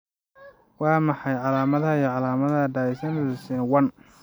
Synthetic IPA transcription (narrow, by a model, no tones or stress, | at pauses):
wɑːmɑħɑjʕɑlaːmɐðɐiʕɑlaːmɐðɐdaisɐnʊðɪsɛnwɐn